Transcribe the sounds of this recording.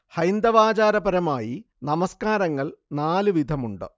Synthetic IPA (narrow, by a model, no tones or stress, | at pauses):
hɐjnd̪ɐʋaːd͡ʑaːɾɐbɐɾɐmaːji | nɐmɐskaːɾɐŋːɐɭnaːlɨʋid̪ʱɐmuɳɖɨ̰